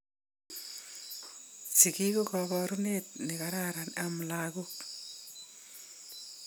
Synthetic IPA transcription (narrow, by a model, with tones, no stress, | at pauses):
si˨ki˦ko˦kɔkɔɾu˦net̪̚ni˨ka˨ɾaɾanam˨laɡo˦k